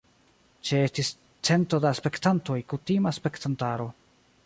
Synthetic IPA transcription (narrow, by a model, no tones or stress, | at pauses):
t͡ʃeestis | t͡se̞nto̞daspe̞ktanto̞jkutimaspe̞ktantaɾo̞